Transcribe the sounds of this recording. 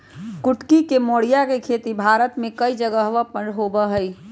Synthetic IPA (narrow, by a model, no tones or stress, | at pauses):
kʊʈkikemoːɽijakekʰet̪ibʱaɾət̪mẽkəid͡ʒəɡəɦʋəpə̃ɳɖɦobəɦəi